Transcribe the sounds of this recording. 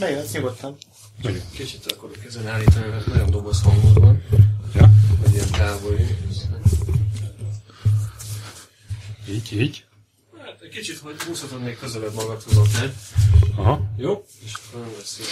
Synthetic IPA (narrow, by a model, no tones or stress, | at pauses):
nɛjonɛst̪ɲuɡot̪ːɒm | nɒɟonkit͡ʃit̪ɒkːoɾkɛzɛnaːlːiːt̪ɒniɾɛnɛjond̪obɒshɒŋɡod̪bɒnjɒvɒɟiɛnt̪aːvoji | iːɟiːɟ | hat̪ɛkit͡ʃit̪hoɟhuːsɒt̪ot̪meːkkøzɛlɛbmɒɡɒt̪hozot̪lɛdɒɦɒjoː | eʃkølvɛsy